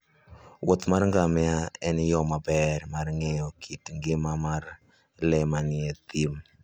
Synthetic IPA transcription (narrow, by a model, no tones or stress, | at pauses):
wɔt̪marŋɡamɛaɛnjɔmabɛɾmarŋɛjɔkʰitŋɡɪmamar | lɛmanɪɛt̪im